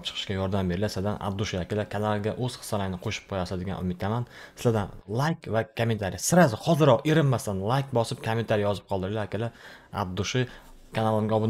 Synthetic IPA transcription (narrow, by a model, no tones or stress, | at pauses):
p̚t͡ʃʰɨ̥qʰɨ̥ʃkʲajɒɾd̪ambeɾlaslad̪anʔa̰bd̪ʊʃɪjakʲɪlakʲʰanalˠɡʲaʔɵz̥χɨ̥salaŋnɪqʰoʃɪ̥p̚qʰojasad̪ɪɡʲa̰nʔʊ̰mɪt̪ʰamansɪ̥lad̪anlˠajkʲvakʰome̞nt̪ʰaɾɪjasɪɾazɪhɒzɪɾɒʁeɾɪnːast̪anlˠajkbɒsɪp̚kʰome̞nt̪ʰaɾijɒzɪp̚qʰɒlˠd̪ɪɾlaakʲɪlaa̰b̚d̪ːʊʃɪ | kʲʰanalˠɪŋɡʲaɒbɪn